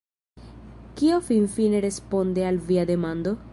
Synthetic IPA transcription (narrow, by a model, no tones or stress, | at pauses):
kio̞finfine̞ɾe̞spo̞ndealviade̞mand̪o̞